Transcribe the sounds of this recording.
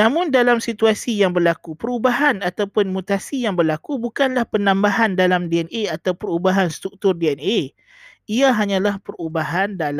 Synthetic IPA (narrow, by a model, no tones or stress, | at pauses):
namʊndalamsit̪uasijaŋbərlakupəɾubaɦanat̪awpʊnmut̪asijaŋbərlakubukanlahpənãmbaɦandalamdiɛnʔeat̪awpəɾubaɦanst̪ɾuk̚t̪ʊrdeɛne | iaɦaɲãlahpərubaɦandal